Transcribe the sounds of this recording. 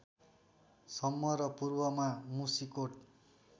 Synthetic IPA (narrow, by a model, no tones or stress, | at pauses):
sʌmːʌɾʌpurbʌmamusikoʈ̚